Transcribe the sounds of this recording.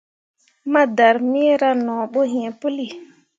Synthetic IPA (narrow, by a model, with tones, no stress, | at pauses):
ma˦da˨ɾmi˦ɾa˦nɔ̃˨ɓo˦ɦĩ˨ẽ˨pu˦li˨